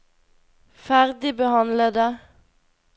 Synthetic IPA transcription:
fæʁd̪ɪbəhɑnləd̪ə

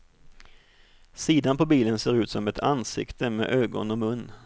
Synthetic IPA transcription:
siːd̪anpɔbiːlənseːɾʉ̟ːt̪sɔmɛt̪ʰansɪ̰kt̪ʰəmḛːʔøːɡɔ̰nɔmɵnː

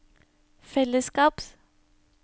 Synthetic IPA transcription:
fɛləskɑːps

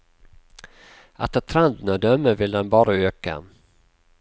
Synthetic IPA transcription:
a̰t̪ʰːɑt̪ʰɾand̪ənɔd̪œmːəvɪld̪ɛnbɑːɾaøːka̰

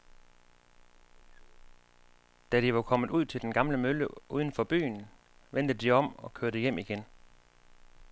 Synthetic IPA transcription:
d̥æɾiʋɑ̈kʰɒ̽mð̩ˠuð̞̰ˠt͡sʰe̝ld̥enɡ̥ɑ̈mləmøləʔuð̞ˠən̩fɒ̽b̥y̰ːn | ʋen̰d̥əd̥iɒ̽m̰ɒ̽kʰøɐɾ̥əjem̰iɡ̥en

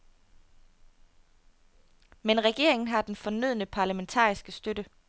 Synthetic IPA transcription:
menʁɛɡ̥e̝̰ɐ̰e̝ŋn̩ɦɑ̈d̥enfɒ̽nyð̰ˠnəpʰɑ̈ːlæment͡sʰɑ̰ːisɡ̥əsd̥ød̥ə

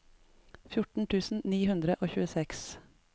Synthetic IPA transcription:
fjʊʈɳ̩t̪ʰʉːsn̩niːhʉnd̪ɾəʔoːçʉːəsɛks

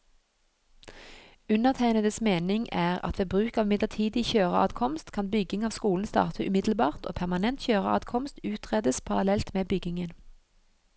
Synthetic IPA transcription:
ʉnəʁt̪ʰæɪnəd̪əsmeːnɪŋʔæːʁɑ̰t̪ʋeːbʁʉːkɑːʋmɪd̪lət̪ʰiːd̪ɪçøːʁəɑ̰ːd̪kʰɔmst̪kʰɑnbʏɡɪŋɑːʋskuːln̩st̪ɑ̰ːʁt̪ʰəʔʉmɪd̪l̩bɑːʁt̪o̰ːpʰæʁmɑnɛnt̪çøːʁəɑ̰ːd̪kʰɔmst̪ʉːt̪ʰʁeːd̪əspʰɑʁɑlɛlt̪meːbʏɡɪŋən

